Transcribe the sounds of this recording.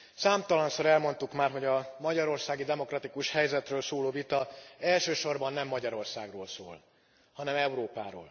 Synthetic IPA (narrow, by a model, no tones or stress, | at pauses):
saːmt̪ɒlɒnsoɾɛlmo̞nt̪ukmaːrɦo̞ɟɒmɒɟɒɾo̞rsaːɡid̪ɛmo̞krɒt̪ikuʃhɛjzɛt̪røːlsoːloːvit̪ɒɛlʃøːʃo̞rbɒnːɛmːɒɟɒɾo̞rsa̰ːɡroːlso̰ːl | hɒnɛmɛuɾoːpaːɾo̰ːl